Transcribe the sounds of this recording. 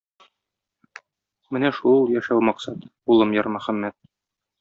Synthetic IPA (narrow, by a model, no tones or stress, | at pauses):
mɘnæʃulˠjæʃæwmɒqsɑt̪bulˠɤmjɒɾmæ̆χæmːæt̪̚